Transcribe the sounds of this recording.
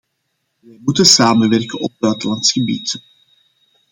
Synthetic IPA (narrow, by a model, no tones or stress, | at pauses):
ʋɛjmutənsaːmənʋɛrkənɔb̚bœːtəlɑntsxəbḭt